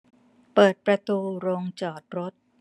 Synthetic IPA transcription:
pɤː˨˩t̪̚pɾa˧t̪uː˧ɾoː˧ŋt͡ɕɔː˨˩t̪̚ɾo˦˥t̪̚

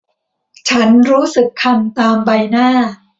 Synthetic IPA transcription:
t͡ɕʰa˦˥nɾuː˦˥sɯ˨˩kʰːa˧nt̪aː˧mba˧jnaː˥˩

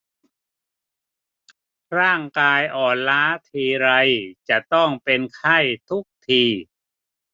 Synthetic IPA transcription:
ɾaː˥˩ŋkaː˧jʔɔː˨˩nlaː˦˥t̪ʰiː˧ɾa˧jt͡ɕa˨˩ʔt̪ɔ˥˩ŋpe˧nkʰa˥˩jt̪ʰu˦˥k̚t̪ʰiː˧

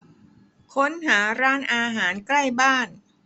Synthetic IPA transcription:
kʰo˦˥nɦaː˩˦ɾaː˦˥nʔaː˧ɦaː˩˦nkla˥˩jbaː˥˩n

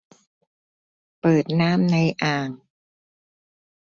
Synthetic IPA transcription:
pɤː˨˩t̪̚naː˦˥mna˧jʔaː˧˩ŋ

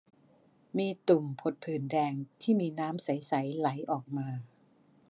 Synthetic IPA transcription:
miː˧t̪u˨˩mpʰo˨˩t̪̚pʰɯː˨˩ndɛː˧ŋt̪ʰiː˥˩miː˧naː˦˥msa˩˦jsa˩˦jla˩˦jʔɔː˨˩k̚maː˧

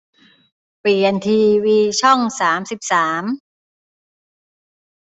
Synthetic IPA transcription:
piː˨˩ʔe˧nt̪ʰiː˧wiː˧t͡ɕʰɔ˥˩ŋsaː˩˦msi˨˩p̚saː˩˦m

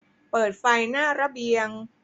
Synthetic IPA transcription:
pɤː˨˩t̪̚fa˧jnaː˥˩ɾa˧bi˧əŋ

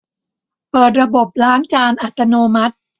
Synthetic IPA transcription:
pɤː˨˩t̪̚ɾa˧bo˨˩p̚laː˦˥ŋt͡ɕaː˧nʔa˨˩t̪ːa˧noː˧ma˦˥t̪̚

